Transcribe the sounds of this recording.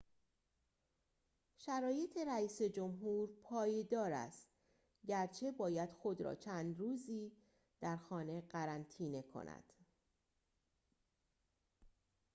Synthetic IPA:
ʃæɾɒːje̞t̪ʰe̞ɾæiːse̞d͡ʒomɦuːɾpʰɒːjed̪ɒːɾæ̰st̪ | ɟæɾt͡ʃʰe̞bɒːjæd̪̥xo̞d̪ɾɒ̰ːt͡ʃʰæːnd̪ɾuːziː | d̪̥æɾxɒːne̞ɢæɾænt̪ʰiːne̞kʰo̞̰næ̰d̪̥

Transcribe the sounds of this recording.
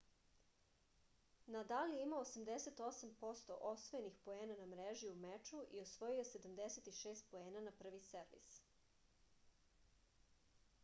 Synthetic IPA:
nad̪alijeimaosamd̪eset̪o̞sampo̞st̪o̰ʔo̞sʋoje̞nixpo̞eːnanamɾeʒiumet͡ʃuʔiosʋo̞jijo̞se̞d̪amd̪eset̪iʃeːst̪̚po̞e̞ːnanapr̩ʋiseɾʋḭs

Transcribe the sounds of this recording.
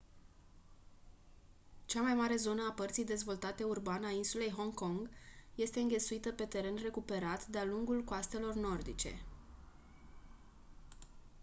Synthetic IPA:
t͡ʃamajmaɾe̞zo̞nəapərt̪sijd̪e̞zvo̞lt̪at̪e̞urbanəainsule̞jɦo̞ŋko̞ŋɡje̞st̪e̞ɨŋɡʲe̞t̪suit̪əpe̞t̪e̞ɾe̞nre̞kupe̞ɾat̪d̪ealuŋɡulkoast̪e̞lo̞rno̞rd̪it͡ʃe̞̰

